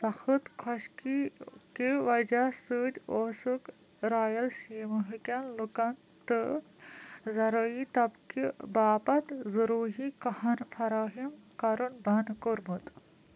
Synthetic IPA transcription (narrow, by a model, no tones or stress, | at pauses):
sɐxʰɨt̪kʰɐʃkikiʋɐd͡ʒasɨːd̪ʲoːsuk | ɾaːjɐlsiːmɨɦɨkʲanlukɐn | t̪ɨ | zɐɾɐit̪ɐbkibaːpɐt̪zɐɾuːɦikɐhɐnfʰɐɾaːɦimkɐɾunbɐnkoɾmɨt̪